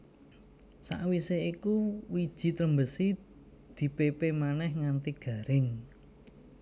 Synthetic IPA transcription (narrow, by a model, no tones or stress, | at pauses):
sa̰ʔwiseikuwid̥ʒ̥i̤t̪ɾəmbəsi | d̪̥i̤pepemanɛhŋant̪iɡ̥a̤ɾɪŋ